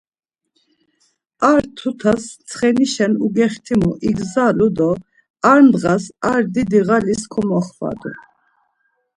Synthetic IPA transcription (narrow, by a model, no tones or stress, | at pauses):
aɾt̪ʰut̪ʰast͡sʰχɛniʃɛnuɡɛχt̪ʰimuʔiɡzalud̪ɔ | aɾnd̪ʁasaɾd̪id̪iʁaliskʰɔmɔχva̰d̪ṵ